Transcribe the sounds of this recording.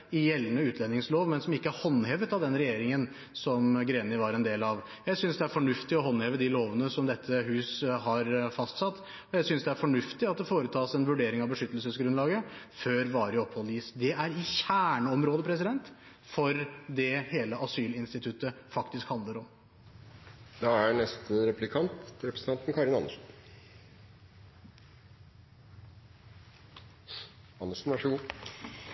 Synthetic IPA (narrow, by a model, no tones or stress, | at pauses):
ɪjɛlːənəʉːt̪ʰlɛnːɪŋsloːʋmɛnsɔmɪkːəæɾhɔnːhɛːʋət̪ɑʋd̪ɛnɾɛjeːɾɪŋən | sɔmɡɾeːnɪʋɑɾɛnd̪eːlɑʋ | jæɪsʏnsd̪ɛæɾfɔɳʉft̪ɪɔhɔnheːʋəd̪ɪloːʋənəsɔmd̪ɛt̪ʰːəhʉːsɦɑɾfɑst̪sɑt̪ː | ɔjæɪsʏnsd̪ɛæɾfɔɳʉft̪ɪɑt̪̚d̪ɛfoːɾət̪ʰɑːsɛnʋʉɖeːɾɪŋɑʋbəʂʏt̪ːəl̩səsɡɾʉnlɑːɡəføːɾʋɑːɾəɔpʰhɔlːiːsd̪ɛæɾɪɕæːɳəɔmɾoːd̪əpʰɾɛs̬ɪd̪ɛnt̪ | fɔɾd̪ɛheːləʔɑsyːlɪnst̪ɪt̪ʰʉt̪ːəfɑkt̪ɪskhɑnd̪ləɾɔm | d̪ɑænɛst̪əɾɛplɪkʰɑnt̪ɾɛpɾəsn̩t̪ɑnt̪n̩kʰɑɾɪnɑ̰nəʂɔn | ɑnːəʂnɑʂuːn